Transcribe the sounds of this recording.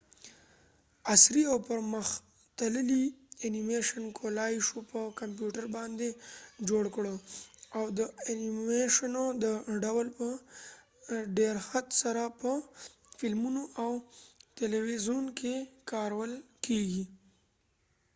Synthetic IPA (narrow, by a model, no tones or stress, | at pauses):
asɾiawpəɾməx | t̪aləlianimeʃankʰolɑjʃopəkamp̬juʈaɾbɑnd̪ed͡ʒoɽkɽoawd̪əanieʃanod̪əɖawəlpə | ɖeɾxat̪saɾapə | fɪlmunoʔawt̪elewizonkekɑɾawəlkʰeɡi